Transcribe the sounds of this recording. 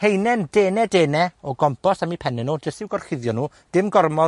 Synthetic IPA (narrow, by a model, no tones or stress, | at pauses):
hejnɛndeːnɛdeːnɛɔɡɔmpʰɔsamipʰɛnɪnuːd͡ʒəstɪwɡɔrχɪðjɔnuː | d̥ɪmɡɔrmɔ